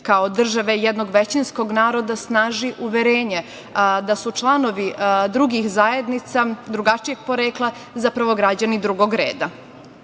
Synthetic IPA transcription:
kaod̪r̩ʒaʋe̞jɛd̪noɡʋet͡ɕinsko̞ɡnaːɾo̞d̪asnaːʒiʔuʋeɾeːɲe | d̪asut͡ʃlˠano̞ʋid̪ɾuɡixzaje̞d̪nit̪sad̪ɾuɡat͡ʃije̞ɡ̚po̞ɾeːklˠa | zapɾaʋo̞ɡɾad͡ʑanid̪ɾuɡo̞ɡɾeːd̪a

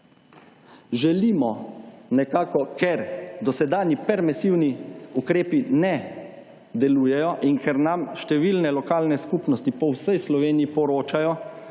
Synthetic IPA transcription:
ʒɛliːmɔnɛkaːkɔkɛɾd̪ɔsɛd̪aːnjipɛɾmɛsiwniukɾeːpinɛ | d̪ɛluːjɛjɔʔiŋkʰɛɾnamʃt̪ɛʋiːlnɛlɔkaːlnɛskupnɔst̪ipɔwsɛjslɔʋeːniipɔɾoːt͡ʃajɔ

